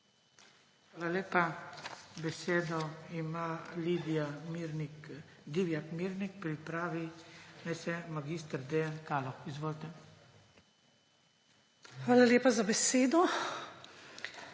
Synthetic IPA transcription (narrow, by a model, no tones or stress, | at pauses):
xʋaːlaleːpa | beseːd̪ɔimalid̪amɾnid̪iʋjakmiɾnik̚pɾipɾaːʋinɛjsɛmaɡist̪ɾd̪ɛjankalɔxizʋolt̪ɛ | xʋaːlaljeːpazabeseːd̪ɔ